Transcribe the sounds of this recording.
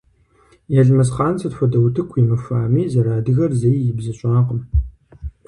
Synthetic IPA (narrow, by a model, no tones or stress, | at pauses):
jɛɮmɐsχaːnsʰɐtxʷɔdɐwtʰɨkʷʰiːmɨfaːmiːzɐɾaːdɨɣɐrzejjɪbzɐɕʼaːqəm